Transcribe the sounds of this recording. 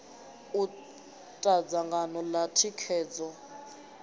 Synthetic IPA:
u | tʼad͡zaŋɡʱanɔlatʰikʰɛːd͡zɔ

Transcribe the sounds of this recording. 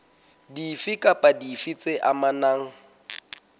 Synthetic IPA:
difikʼapʼadifit͡sʼeʔamanaːŋ̩

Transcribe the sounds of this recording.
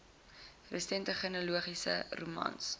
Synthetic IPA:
rəstɛntəχənəluəχisə̰rumɐ̰ns

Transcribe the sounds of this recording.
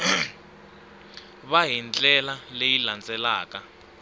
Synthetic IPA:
βaɦind͡ɮʼɛlalejiland͡zʼɛlaːka

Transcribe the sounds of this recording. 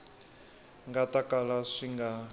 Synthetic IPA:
ŋɡatʼakʼalaʂiŋɡa

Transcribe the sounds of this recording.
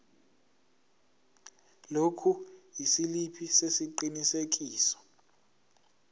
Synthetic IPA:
lokʰujisilipʰisesiǃinisek̬iːsɔ̥

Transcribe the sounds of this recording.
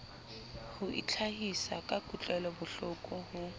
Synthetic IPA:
hʊʔḭt͡ɬʰahisakʼakʼut͡ɬʼɛlɔbʊɬʊkʼʊhʊ

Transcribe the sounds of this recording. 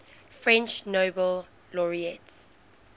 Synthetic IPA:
fɹɛ̃nt͡ʃnoːbəl | lɔɹiɛts

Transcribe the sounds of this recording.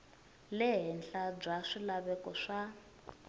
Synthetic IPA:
lɛɦɛnɬab͡ʐaʂilaβɛkɔʂa

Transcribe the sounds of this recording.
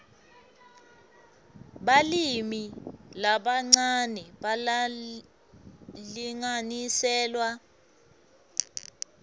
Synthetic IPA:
ɓalimilaɓaŋ͡ǀanɛɓal | liŋanisɛːlwa

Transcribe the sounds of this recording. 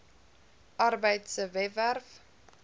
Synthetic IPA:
ʔɐrbəjtsəvɛværf

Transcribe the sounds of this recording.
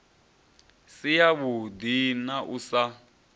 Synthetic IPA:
sijaβud̪inaʔusa

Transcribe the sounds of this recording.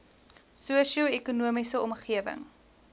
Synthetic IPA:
suəʃiəɛkunuəmisəɔmχiəvə̰ŋ

